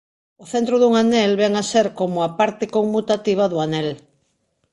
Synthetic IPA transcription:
oθent̪ɾoðuŋanɛlβɛŋaseɾkomʊapaɾt̪ekoŋmut̪at̪iβ̞ɐðʊanɛl

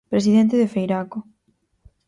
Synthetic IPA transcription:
pɾesiðɛnt̪ɪðefejɾako

